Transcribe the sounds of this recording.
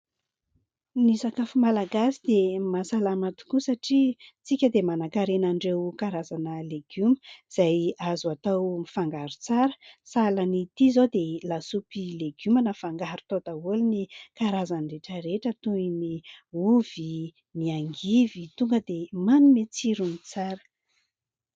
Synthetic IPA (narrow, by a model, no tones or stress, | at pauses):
nisakafumalaɡasid̪emasalamat̪u̥kusaʈ͡ʂit͡sikʲəd̪emanakaɾenaɳɖ͡ʐewkaɾazanəleɡ̥uməz̥ajazuat̪awmifaŋɡaɾut͡saɾə̥salanit̪izod̪elasupileɡumanəfaŋɡaɾu̥t̪ot̪aulinikaɾazanreʈ͡ʂəɾeʈ͡ʂət̪uiniuv̥i | miaŋɡivit̪uŋɡəd̪emanumet͡siɾunit͡saɾə̥